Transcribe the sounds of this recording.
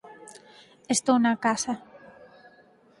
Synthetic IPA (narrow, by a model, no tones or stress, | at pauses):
est̪ownakasa